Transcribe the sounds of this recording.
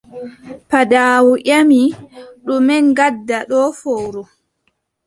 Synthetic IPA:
padaːwuʔʲamiɗumɛnɡadːaɗɔfowɾu

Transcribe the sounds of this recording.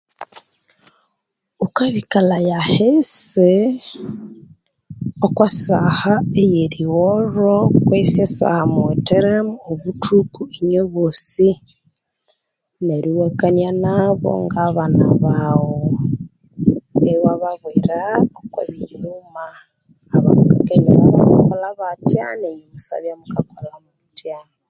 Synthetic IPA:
ukaβikalajahese | okwasahaejeɾiwoɾokwesjesa̰hamueteɾemuoβutʰukueɲoβosi | neɾiwekaɲanaβo̰ŋɡaβanaβawo | eiwaβaβwiɾaokwa̰βiumaː | βa̰mukaɡeɲanaβa̰βa̰kolaβatja̰neɲiβusa̰βjamukakolamutjan

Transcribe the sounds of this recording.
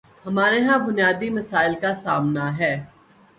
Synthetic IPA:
hɐmaːɾeɦãbʊnijaːd̪imɐsaːɪlkasaːmnaɦɛː

